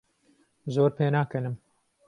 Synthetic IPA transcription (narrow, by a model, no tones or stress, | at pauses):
zoːɾpeːnaːkɛnɨm